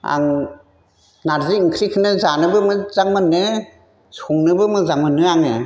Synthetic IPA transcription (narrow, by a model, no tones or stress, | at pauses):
a̰ŋ | naɾziiŋkʰɾikʰɯnɯzanɯbɯmɯzaŋmɯnːɯ | suŋnɯbɯmɯzaŋmɯnːɯaŋɯ